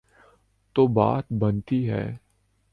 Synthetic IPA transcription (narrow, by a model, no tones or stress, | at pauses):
t̪oːba̰ːt̪bənt̪iɦɛ̰ː